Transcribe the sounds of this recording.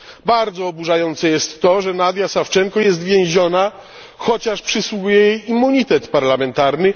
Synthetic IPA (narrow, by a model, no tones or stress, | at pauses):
baɾd̪zɔːbuʐajɔnt̪sɛjɛst̪ːɔʐɛnad̪ʲjasaft͡ʂɛŋkɔjɛs̬t̪vʲjɛ̃w̃ʑɔna | xɔt͡ɕaʂpʂɘswuɡujɛjejimːuɲit̪ɛt̪paɾlamɛnt̪aɾnɘ